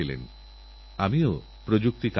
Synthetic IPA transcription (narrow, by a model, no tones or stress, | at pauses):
ilḛn | amio | pɾod͡ʑuk̚t̪ik